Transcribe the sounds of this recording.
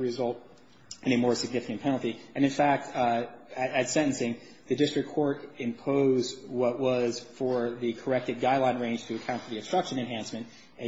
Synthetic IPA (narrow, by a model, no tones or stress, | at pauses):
ɹɨzʌlˠt | ɨ̃ñɨmɔɹsɨɡ̚nɪfɨkɨ̃npʰɛñl̩ˠtiɨ̃nɨ̃nfæk̚t | ɨz̥sɛ̃ɾɨnsɪ̃ŋ | ðɨdɪstɹ̥ɨkʰːɔɹɾɨ̃mpʰoʊzwʌʔwʌz̥fə˞ðɨkʰə˞ɛk̚tɨd̚ɡaɪlãɪ̃nɹẽɪ̃nʒ̥tʰɨːkʰãʊ̃ntfə˞ðiɨbstɹ̥ʌkʃɨ̃nɨ̃nɦæ̃nsmɨ̃nt | ɨ̃